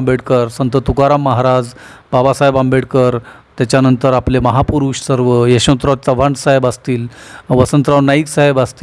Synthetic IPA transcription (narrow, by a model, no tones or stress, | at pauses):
mbeɽkəɾsənt̪ət̪ukaɾamːəɦaɾad͡z | b̥abasaɦebambeɽkəɾ | t̪jat͡ɕjanənt̪əɾapleməɦapuɾuɕsəɾʋəjeɕə̃nt̪ɾat͡səʋ̤aɳɖsaɦebast̪iːlʋəsənt̪ɾaʋnaiksaɦebast̪i